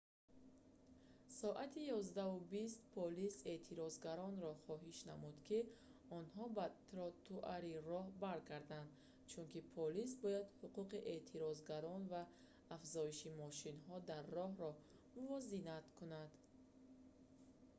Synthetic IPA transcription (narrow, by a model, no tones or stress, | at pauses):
sɔʔat̪ʰijɔzd̪aubist̪pʰɔlise̞t̪ʰiɾɔzɡaɾɔnɾɔχɔɦiʃnamud̪kʰiɔnhɔbat̪ɾɔt̪uʔaɾirɔhbaɾɡaɾd̪and̪ | t͡ʃʰunkipʰɔlis̬bɔjad̪huquqiʔe̞t̪ʰiɾɔzɡaɾɔnvaː | fzɔiʃimɔʃinɦɔd̪arːɔɦɾɔ | muvɔzinat̪kʰunand̪̥